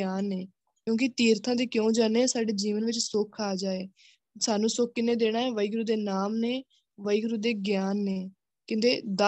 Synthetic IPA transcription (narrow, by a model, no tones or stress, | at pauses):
aːnːeː | kjõːk̬ɪt̪iːɾt̪ʰãːd̪eːkjõːd͡ʒaːneːsaːɖeːd͡ʒiːʋənʋɪt͡ʃsʊkʰaːd͡ʒaːeː | saːnũːsʊk̚kɪnẽːd̪eːɽ̃aːɛːʋəiɡɾuːd̪eːnaːmneː | ʋəiɡɾuːd̪eːɡjaːnːeː | kɪ̃nd̪eːd̪a